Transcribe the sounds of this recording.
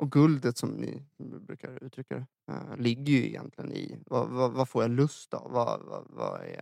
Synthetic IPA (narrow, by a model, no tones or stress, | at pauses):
ʔɔɡɵld̪ət̪sɔmnɪbɾʉ̟ːkʰaɾʉ̟ːt̪ʰɾʏkːad̪ɛ | lɪɡːəjɵɪjɛnt̪lɪɡənɪvavavafoːɾjalɵst̪avːavavaɛ